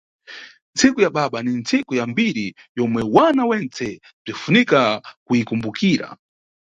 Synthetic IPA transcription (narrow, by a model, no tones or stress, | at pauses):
nt͡sʰikujaɓaɓanint͡sikujambiɾi | jɔmwɛwanawɛnt͡sɛ | b͡ʐifunikakujikumbukʰiːɾa̰